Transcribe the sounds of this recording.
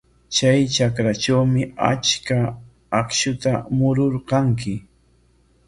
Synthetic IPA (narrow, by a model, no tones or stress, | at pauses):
t͡ʃajt͡ʃakɾat͡ʃawmɪa̰t͡ʃkaː | kʃʊt̪amʊɾoɾqɑŋk̬ɪ